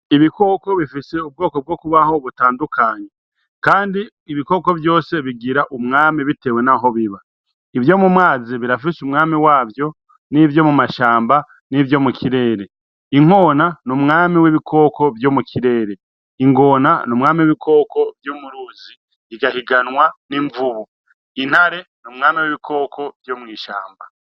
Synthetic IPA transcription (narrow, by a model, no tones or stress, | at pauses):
iβiko̞ko̞βifise̞ub̚ɡo̞ːko̞b̚ɡo̞kuβaho̞βutaːndukʰaːɲe | kaːndiː | βiko̞ːko̞vjo̞ːse̞βiɡiɾaʔumŋaːmiβite̞ːwe̞naɦo̞βiβa | ivjo̞mumŋaːziβiɾafisumŋaːmiwaːvjo̞ | nivjo̞mumaʃaːmba | nivjo̞mukiɾe̞ːɾe̞ | iŋ̥o̞ːnanumŋaːmiwiβikʰo̞ːko̞vjo̞mukʰiɾe̞ːɾe̞ | iŋɡo̞ːnanumŋaːmiwiβikʰo̞ko̞vjuːmuɾuːzi | iɡahiɡanŋwaniɱvuβu | in̥haɾe̞numŋaːmiwiβikʰo̞ːkʰo̞vjomŋiːʃaːmba